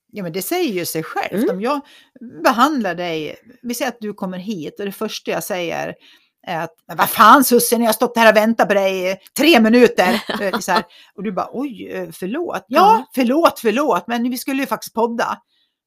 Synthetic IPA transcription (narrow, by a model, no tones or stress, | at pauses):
juːmɛnd̪ɛsɛjːəɾjɵsɛjɧɛ̰lft̪ɔmjɑːɡbɛɦand̪laɖɛjvɪsɛjɾat̪̚d̪ɵkʰɔmːəɾɦiːt̪ɔd̪ɛfœʂʈajɑsɛjːə̰ɾ | ʔæɾat̪mɛnvafɑːnsɵsːənajahast̪ɔt̪̚ːɛhæːɾɔvɛnt̪apɔd̪ɛjt̪ʰɾeːmɪnʉ̟ːt̪əɾsæɾ | ɔd̪ɵbɑ̰ːʔɔjfœɭo̰ːt̪ːjɑːfœɭoːt̪fœɭoːt̪mɛnvɪskɵlːəjʉfak̚t̪ɪ̥sk̚pʰɔd̪ːa̰